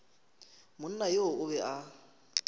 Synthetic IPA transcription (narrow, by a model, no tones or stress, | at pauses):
mʊn̩najoʊbɛʔa